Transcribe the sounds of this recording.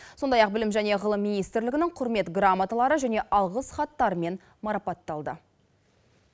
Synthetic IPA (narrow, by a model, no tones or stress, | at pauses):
so̞nd̪ɑjɑq̚bɪlɪmʒæne̞ʁəlˠəmːijnijst̪ɾlɪɡɪnɪŋqʰʊɾme̞t̪ɡramat̪əlˠɑɾəʒæne̞ʔɑlˠʁəsχɑt̪ːɑɾəme̞n | mɑɾɑpɑt̪ːɑlˠd̪ə̰